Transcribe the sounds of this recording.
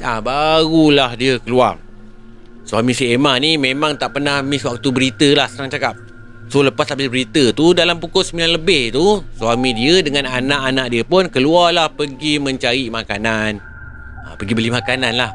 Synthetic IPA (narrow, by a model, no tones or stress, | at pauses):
abaɾulahdiəkəlua̰r | swamisəemanimemãŋt̪aʔpərnahmiswak̚t̪ubəɾit̪əlahsəɾaŋt͡ʃakap̚ | soləpasabɪsbəɾit̪ət̪udalampukʊsəmilanləbɪht̪usuamĩdiədəŋananaʔanaʔ̚diəpʊnkəluarlahpəɡimə̃ɲt͡ʃaɾimakanan | ə̰pəɡibəlimakananlah